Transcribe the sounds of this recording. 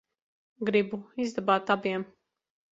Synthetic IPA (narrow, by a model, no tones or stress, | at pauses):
ɡɾibuizd̪abaːt̪abiɛm